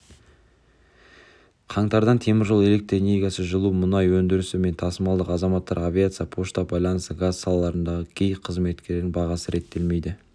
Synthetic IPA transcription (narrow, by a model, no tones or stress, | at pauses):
qʰɑɴt̪ɑɾd̪ɑnt̪ʰe̞mɪɾʒo̞lˠe̞le̞k̚t̪ɾonʲijɡɑsəʒəlˠumʊnɑjwɵnd̪ɪɾɪsɪme̞nt̪ʰɑsəmɑlˠd̪əqɑzɑmɑt̪ːɑ̰ɾavʲijat̪sɨjɑpʰo̞ʃt̪ɑbɑjlˠɑnəst̪əɡazsɑlˠɑlˠɑɾənd̪ɑʁəkʲʰejqʰəzme̞t̪kʲʰe̞ɾɾɪnbɑʁɑsəɾe̞t̪ːe̞lme̞jd̪ɪ